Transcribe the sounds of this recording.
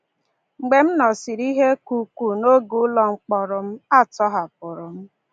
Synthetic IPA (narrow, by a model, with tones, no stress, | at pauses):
ŋ͡m̩˨ɡ͡be˨m̩˦nɔ˨si˨ɾi˦ɦe˦ku˨ku˨no˦ɡu˨˦lɔ˦ŋ͡m̩˨k͡pɔ˨ɾʊ˨m̩˦a˦tɔ˦ɦa˨p̚ʊ˨ɾʊ˨m̩˦